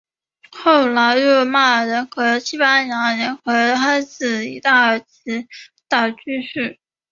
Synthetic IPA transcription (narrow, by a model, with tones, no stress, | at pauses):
xo˥˩ʊla˧˥ɪɻɔo˥˧ma˥˩ɻə˧˥nkʰɤ˧˥ɕʰi˥pa˥jɑ˧˥ŋɻə˧˥nkʰɤ˧˥a˥ɪt͡sɹ̩˥˨˩ḭ˧˥t̪a˥˩ə˞˧˥t͡ɕʰi˧˥t̪a˥˩t͡ɕy˥ɕy˥˩